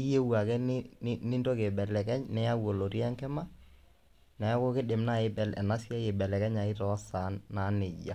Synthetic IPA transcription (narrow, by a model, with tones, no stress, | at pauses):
i˦je˦wa˨kɛ˦nɪnnɪ˦ndɔ˦ke˨bɛ˨lɛ˨kɛ˦ɲnɛ˦ja˦wo˨lo˨ti˦a˦ŋkɛ˦ma˦ | nɛ˨ja˦ko˦kɪ˦ɗɪ˨mna˦˨ɪ˦bɛ˨lɛ̰˨na˦sja˦je˨bɛ˨lɛ˨kɛ˦ɲa˨ɪ˦tɔ˨˦sa˨˦nːa˨˦nɪ˨ɟa̰˨